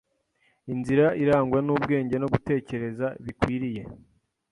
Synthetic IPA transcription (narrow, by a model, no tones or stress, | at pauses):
inziɾaʔiɾaːŋɡwanuːbɡe̞ːɲɟe̞no̞ɡute̞ːce̞ɾe̞zaβikwiːɾije̞